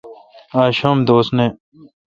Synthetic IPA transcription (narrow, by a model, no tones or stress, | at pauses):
aːɕomd̪oːsnẽ